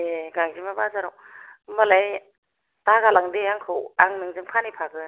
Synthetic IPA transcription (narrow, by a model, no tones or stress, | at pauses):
eɡaŋzimabazaɾɔw | malaj | taɡalaŋdeaŋkʰɯwaŋnɯŋzɯmkʰanipʰaɡɯ